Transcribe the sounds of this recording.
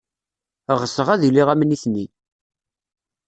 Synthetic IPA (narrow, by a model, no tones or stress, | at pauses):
ʁəsəʁæðilːiʁæmniθni